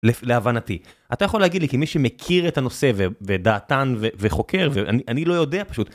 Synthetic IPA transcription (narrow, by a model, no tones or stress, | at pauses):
lefleavanatiʔat̪ajaχo̞leaɡidlikimiʃemekʰiʁetano̞se̞vevedaːtanveveχo̞ke̞ʁveʔa̰niʔanilo̞jo̞de̞apḁʃut̪